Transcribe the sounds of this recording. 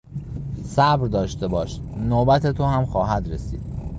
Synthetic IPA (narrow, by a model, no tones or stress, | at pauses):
sæbɾd̪ɒːʃt̪e̞bɒːʃ | noːbæt̪ʰet̪ʰohæmxɒːɦæd̪ɾesḭːd̪̥